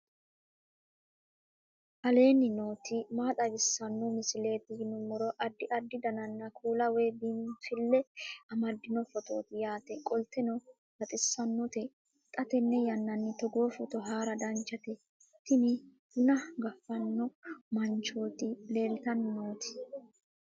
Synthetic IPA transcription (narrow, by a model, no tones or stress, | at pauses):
ʔɐle̞ːnːɪnoːt̪ɪmaːt̪ʼɐbɪsːɐnːɔmɪsɪle̞ːt̪ɪjɪnʊmːɔɾɔʔɐd̪ːɪʔɐd̪ːɪd̪ɐnɐnːɐkʰuːlɐweːbinfɪlːɛɐmɐd̪ːɪnɔfɔt̪o̞̰ːt̪ɪjaːt̪ɛkʼɔlt̪ɛnɔ | bɐt̪ʼɪsːɐnːɔt̪ɛ | t̪ʼɐt̪ɛnːɛjɐnːɐnːɪt̪ɔɡo̞ːfɔt̪ɔɦaːɾɐd̪ɐnt͡ʃːɐt̪ɛ | t̪ɪnɪhʊnɐɡɐfːɐnːɔmɐnt͡ʃo̞ːt̪ɪle̞ːlt̪ɐnnoːt̪ɪ̥